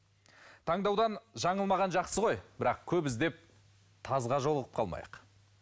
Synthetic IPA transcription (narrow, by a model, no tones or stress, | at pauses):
t̪ʰɑɴd̪ɑwd̪ɑnʒɑɴəlˠmɑʁɑnʒɑqsəʁo̞jbɪɾɑqkʲʰɵbɪzd̪e̞p̚ | t̪ʰɑzʁɑʒo̞lˠəʁəpqʰɑ̰lˠmɑ̰jəq